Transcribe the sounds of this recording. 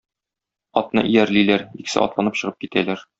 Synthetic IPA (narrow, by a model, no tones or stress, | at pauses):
ɒt̪̚nɤ̰ʔijæɾlilæɾiksɘ̰ʔɒ̰t̪lˠɑnɤpɕɤ̆ʁɤp̚kit̪ælæɾ